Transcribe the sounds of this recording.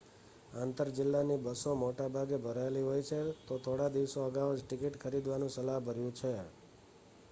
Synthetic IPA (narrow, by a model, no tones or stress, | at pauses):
ãnt̪əɾd͡ʒɪlːanibəsomoʈabʱaɡebʱəɾaeliɦojt͡ʃʰet̪ot̪ʰoɽad̪iʋsoəɡaʋd͡ʒʈɪkiʈkʰəɾid̪ʋanũsəlaɦbʱəɾjũt͡ʃʰe